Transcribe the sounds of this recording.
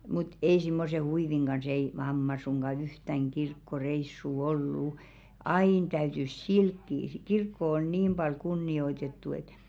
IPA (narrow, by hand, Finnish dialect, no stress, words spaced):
mut ei simːose huiʋiŋ ɡ̊ɑns ei mɑmːɑ suŋɡ̊ɑ yhtæŋ kirkːoreisːuˑ olːu ɑin tæytys silkːiː si kirkːo on niːm b̥ɑl kunːioitetːu et